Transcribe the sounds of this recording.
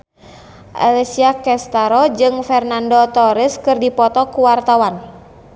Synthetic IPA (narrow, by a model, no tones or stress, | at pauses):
ʔa̰lɛsiakɛst̪aɾɔd͡ʒɨŋfɛrnandɔt̪ɔɾiskɨrdipɔt̪ɔkuwart̪awan